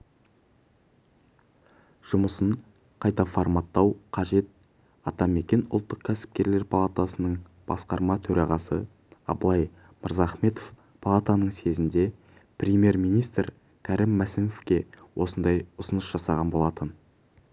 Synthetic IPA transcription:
ʒ̥ʊməsəɴ | qʰɑjt̪ɑfoɾmɑt̪ːɑwqʰɑʒe̞t̪̚ | ɑt̪ɑme̞kʲe̞nʊlˠt̪ːəqkʲʰæsɪ̥p̚kʲe̞ɾle̞ɾpʰɑlˠat̪asənəɴ | b̥ɑ̰sqɑɾmɑt̪ʰɵɾɑʁɑsə | ɑ̰blˠɑj | məɾzɑːχme̞t̪of | pʰalˠat̪anəɴse̞zɪnd̪e̞ | prʲemʲje̞ɾmijnijst̪ɾ | kʲʰæɾʔɪmːæsɪmofkʲe̞wʔo̞sənd̪ɑjʊsənəsʒ̥ɑsɑʁɑnbo̞lˠɑt̪ən

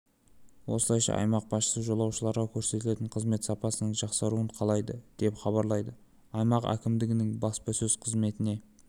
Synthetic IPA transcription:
wo̞səlˠɑjʃɑ̰ʔɑ̰jmɑq̚bɑsʃə̥səʒo̞lˠɑwʃəlˠɑɾʁɑkʲʰɵɾse̞t̪ɪle̞t̪ɪɴqʰəzme̞t̪sɑpɑsənəɴʒɑqsɑɾuəɴqʰɑlˠɑjd̪əd̪̥e̞pχɑβɑɾlˠɑjd̪ə | ɑjmɑqæ̰kʲɪmd̪ɪɡʲɪnɪŋbɑspɑsɵz̥qʰəzme̞t̪ɪne̞

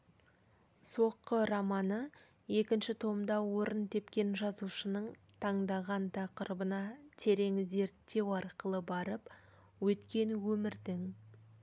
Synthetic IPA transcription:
so̞qːəɾɑmɑnə | je̞kʲɪnʃɪt̪ʰo̞md̪ɑwoɾʔənt̪ʰe̞pkʲe̞nʒɑzuʃənəɴt̪ʰɑɴd̪ɑʁɑnt̪ʰɑqəɾəbənɑt̪ʰe̞ɾe̞ŋze̞ɾt̪ːe̞wɑɾqəlˠəbɑɾəp | wɵt̪kʲe̞nwɵmɪɾd̪ɪŋ

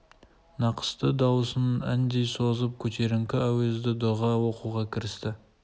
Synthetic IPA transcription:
nɑqʰə̥st̪əd̪ɑwəsənæ̰nd̪e̞jsozəp̚kʲʰɵt̪ʰe̞ɾɪŋkʲɪæwezd̪ɪd̪oʁɑwoquʁɑkʲʰɪɾɪst̪ɪ

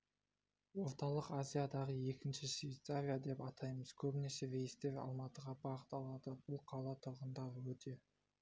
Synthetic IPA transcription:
wo̞ɾt̪ɑlˠəqazʲijad̪ɑʁəje̞kʲɪnʃɪʃvʲejt̪savʲijad̪e̞pɑt̪ʰɑjməz̥kʲʰɵbnese̞vejst̪eɾɑ̰lˠmɑt̪əʁɑbɑʁət̪ɑlˠɑd̪əbʊlˠqʰɑlˠɑt̪ʰʊɾʁənd̪ɑɾəwɵt̪ʰe̞

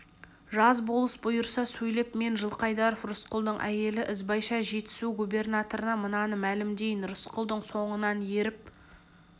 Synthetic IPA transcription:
ʒɑzbo̞lˠəsbʊjəɾsɑsɵjle̞pme̞nʒəlˠqʰɑjd̪ɑɾofrʊsqəlˠd̪əɴʔæ̰je̞lɪʔɪzbɑjʃɑʒe̞t̪ɪ̥suɡubʲe̞rnat̪o̞ɾənɑmənɑnəmælɪmd̪e̞jɪnɾʊsqəlˠd̪əɴso̞ɴənɑnje̞ɾɪp̚

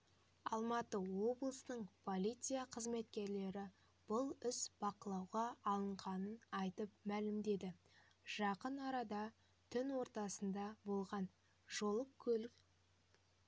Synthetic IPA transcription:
ɑlˠmɑt̪əwo̞blˠəsəɴpʰo̞lʲˠijt̪sɨjaqʰəzme̞t̪kʲe̞ɾle̞ɾɪ | b̥ʊlˠʏsb̥ɑqəlˠɑwʁɑːlˠəɴʁɑnənɑjt̪əpmælɪmd̪e̞d̪ɪ | ʒ̥ɑqənɑɾɑd̪ɑ | t̪ʰʏnwo̞ɾt̪ɑsənd̪ɑbo̞lˠʁɑn | ʒo̞lˠəp̚kʲʰɵlɪk

